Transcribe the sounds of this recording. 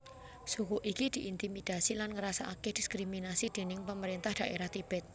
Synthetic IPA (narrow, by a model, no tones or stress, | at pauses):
sukuʔikid̪̥i̤ʔint̪imid̪̥a̤silanŋəɾasaʔakɛhd̥i̤skɾiminasid̪̥e̤nɪŋpəməɾint̪ahd̪̥a̤ʔeɾaht̪ib̥ɛt̪̚